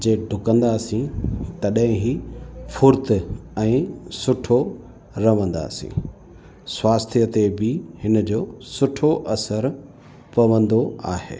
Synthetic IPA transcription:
d͡ʑeːɖʱʊkə̃nd̪aːsĩt̪ɐɗɦɪ̃ɦifʊɾt̪ɛ̃ːsʊʈʰo | ɾɐʋə̃nd̪a̰ːsḭ̃ | swaːst̪ʰijət̪ebɪhɪn̆d͡ʑoːsʊʈʰoʔɐsəɾ | pɐʋə̃nd̪oaːɦḛː

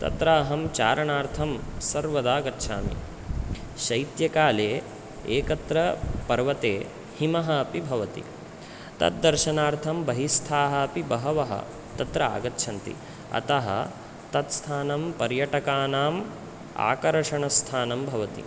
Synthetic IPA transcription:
t̪ɐ̰t̪ɾaɐɦɐmt͡ʃa̰ːɾɐɳaːɾt̪ʰɐmsɐɾʋɐd̪aːɡɐtːʃʰa̰ːmḭ | ʃɐjt̪jɐkaːleː | eːkɐt̪ɾɐpɐɾʋɐt̪eː | himɐɦɐːpibʱɐʋɐt̪ḭ | t̪ɐ̰t̪̚d̪ɐɾʃɐnaːɾt̪ʰɐmbɐɦist̪ʰaːɦɐːpibɐɦɐʋɐɦɐ̰ | t̪ɐt̪ɾɐa̰ːɡɐtːʃʰɐnt̪ḭ | ɐ̰t̪ɐɦɐ̰ | t̪ɐt̪st̪ʰaːnɐmpɐɾjɐʈɐkaːnaːm | a̰ːkɐɾɐʂɐɳɐst̪ʰaːnɐmbʱɐʋɐt̪ḭ

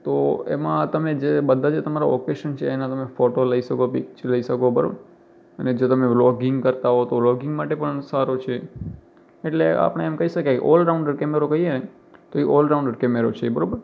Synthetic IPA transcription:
t̪oḛmãt̪əmed͡ʒebəd̪ʱːad͡ʒet̪əmaɾaɔkeʃənt͡ʃʰeːnat̪əmefoʈoləiʃəkopikt͡ʃləiʃəkobə̰ɾ̰ | əned͡ʒot̪əmeʋlɔɡɪŋɡkəɾt̪aɦot̪oʋlɔɡɪ̃ŋɡmaʈepəɳsaɾot͡ʃʰe | eʈlea̰pəɽ̃eemkəɦiʃəkakḛʔɔlɾaũɳɖəɾkɛmeɾokəɦien | t̪oiʔolɾaũɳɖəɾkɛmeɾot͡ʃʰebəɾobəɾ

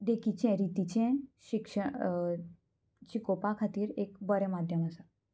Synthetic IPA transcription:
ɖ̪ekit͡ɕɛ̃ɾit̪it͡ɕɛ̃ɕikʂə | t͡ɕikopakʰat̪iːɾekbəɾɛmad̪ʱjəməsa

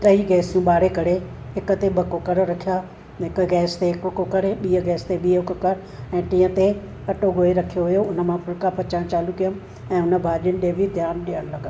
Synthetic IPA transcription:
t̪ɐiɡɛːsijũɓaːɽekɐɽe | ɦɪkʊ̆t̪ebɐkokɐɾɾɐkʰija | ɦɪkɡɛːst̪eɪkʊkokɐɾeɓiːəɡɛːst̪eɓiːəʊkkɐɽ | ɛ̃ːt̪ĩːə̃t̪e | kɐʈoɡoːeɾɐkʰijoɦʊjoʊnə̆mãpʰʊlkapʰɐt͡ɕãːt͡ɕaːlukijəm | ɛ̃ːʊnə̆bʱaːɗɪjʊnɪ̆ɗ̪eːbʱid̪ʱjaːnɗijəɽ̃lɐɡən

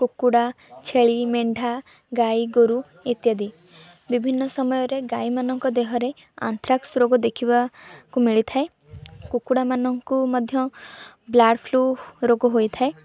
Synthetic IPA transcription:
kukuɽa | t͡ʃʰeɭimeɳɖʱa | ɡajɡoɾu | it̪jad̪i | bibʱinːɔsɔmɔjɔɾeɡajmanɔŋkɔd̪eɦɔɾe | a̰nt̪ɾaksɾoɡɔd̪ekʰibakumiɭit̪ʰae | kukuɽamanɔŋkumɔd̪ʱjɔ | blaɽpʰluɾoɡɔɦojt̪ʰae

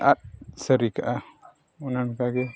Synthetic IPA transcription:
ʔa̰t̚səɾikaʔa | unankaɡe

